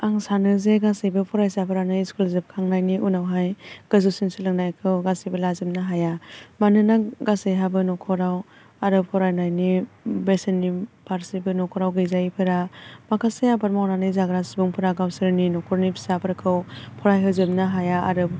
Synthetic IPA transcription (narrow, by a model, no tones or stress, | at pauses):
aŋsanɯzeɡasɯjbɯpʰɔɾajsapʰɯɾanɯiskulzɯb̚kʰaŋnajniʔunawɦajɡ̥ɯzusinsɯlɯŋnajkʰɯwɡasijbɯlazɯmnaɦajamanɯnaɡasejɦabɯnɔkʰɔɾaw | aɾɯp̚kʰɔɾajnajnibesenːipaɾsibɯnɔkʰɔɾawɡɯjzajpʰɯɾamakʰasejabaɾmawnanɯjzaɡɾasibuŋpʰɯɾaɡawsɯɾninɔkʰɔɾnipʰi̥sapʰɯɾkʰɯwpʰɔɾajɦɯzɯmnaɦajaaɾɯp̚